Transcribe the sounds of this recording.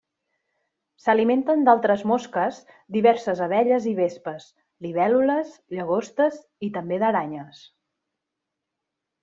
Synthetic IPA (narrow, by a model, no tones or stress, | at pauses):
səliment̪ənd̪alˠt̪ɾəzmoskəz | d̪iβɛɾsəzəβ̞ɛʎəziβespəs | liβ̞ɛluləzʎəɣ̞ost̪əz | it̪əmbeðəɾaɲəs